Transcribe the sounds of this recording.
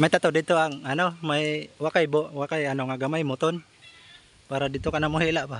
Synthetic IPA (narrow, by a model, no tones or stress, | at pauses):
mait̪at̪odit̪uaŋanomaiwakaibɔʔwakajanoŋaɡamaimut̪ɔn | paɾadit̪ukanamoɦiʔlaʔpah